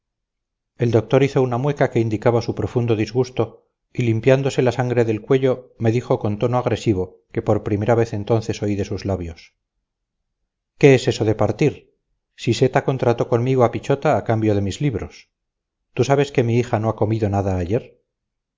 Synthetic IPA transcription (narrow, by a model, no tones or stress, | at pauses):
e̞ld̪o̞k̚t̪o̞ɾiθo̞unamwe̞kake̞ind̪ikaβasupɾo̞fund̪o̞ðizɣust̪o̞ | ilimpjand̪ose̞lasaŋɡɾe̞ðe̞lkwe̞ʝo̞me̞ðixo̞ko̞nt̪o̞noaɣɾe̞siβ̞o̞ | ke̞po̞ɾpɾime̞ɾaβe̞θe̞nt̪o̞nθe̞so̞iðe̞suzlaβjo̞s | ke̞ese̞so̞ðe̞paɾt̪iɾ | sise̞t̪ako̞nt̪ɾat̪o̞ko̞nmiɣoapit͡ʃot̪aːkambjo̞ðe̞mizliβɾo̞̰s | t̪usaβ̞e̞ske̞miixano̞ako̞miðo̞naðaːje̞ɾ